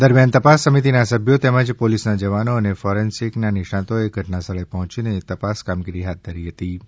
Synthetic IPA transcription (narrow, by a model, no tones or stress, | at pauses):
d̪əɾmjant̪əpasːəmit̪inasəbʱjot̪ɛməd͡ʒpolisnad͡ʒəʋanoənefɔɾensiknanɪʃãt̪oeɡʱəʈnasəɭəjpəɦɔ̃t͡ʃinet̪əpaskamɡiɾiɦat̪̚d̪ʱəɾiɦət̪i